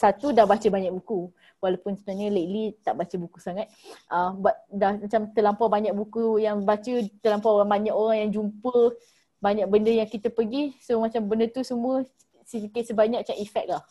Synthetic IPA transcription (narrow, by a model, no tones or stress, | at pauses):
sat̪udahbat͡ʃəbaɲak̚buku | walapʊnsəbənaɲələt̪̚lit̪aʔbat͡ʃəbukusaŋat̪̚ʔəmbat̪̚dahmat͡ʃamt̪əlampawbaɲak̚bukujaŋbat͡ʃət̪əlampaoɾaŋbaɲakoɾaŋjaŋd͡ʒumpə | baɲak̚bəndəjaŋkit̪əpəɡisomat͡ʃambəndət̪usəmũə | sit̪ikɪt̪̚səbaɲak̚t͡ʃaʔifɛk̚lah